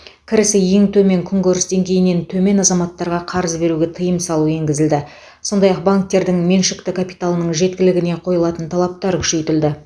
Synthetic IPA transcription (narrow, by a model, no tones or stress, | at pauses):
kʲʰɪɾɪsɪje̞ŋt̪ʰɵme̞ŋkʲʰʏŋɡʲɪɾɪsd̪e̞ŋɡʲe̞jɪne̞nt̪ʰɵme̞nɑzɑmɑt̪ːɑɾʁɑqʰɑɾəzbe̞ɾuɡʲe̞t̪ʰəjəmsɑlˠue̞ŋɡʲɪzɪld̪ɪ | so̞nd̪ɑjɑq̚baŋk̚t̪e̞ɾd̪ɪŋmenʃɪkt̪ɪkʰapi̥t̪alˠənəɴʒe̞t̪̚kʲɪlɪɡʲɪne̞qʰo̞jəlˠɑt̪ənt̪ʰɑlˠɑp̚t̪ɑɾkʲʰʏ̥ʃe̞jt̪ɪld̪ɪ